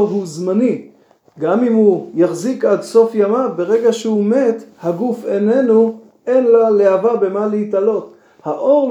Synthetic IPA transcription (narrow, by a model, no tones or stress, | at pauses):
ɦuzmani | ɡamimhujaχzikad̪so̞fjamabe̞ʁe̞ɡaʃehumet̪haɡufene̞nu | enlaleavabe̞maleit̪alo̞t̪ | haʔo̞ʁ